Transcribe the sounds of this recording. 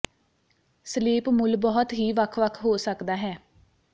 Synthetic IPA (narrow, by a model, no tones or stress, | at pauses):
səliːpmʊlbɔːɦɔt̪ɦiːʋəkʰʋəkʰɦoːsəkd̪aːɦɛː